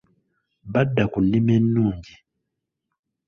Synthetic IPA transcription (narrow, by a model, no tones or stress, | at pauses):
badːakunimɛnːuːŋɡi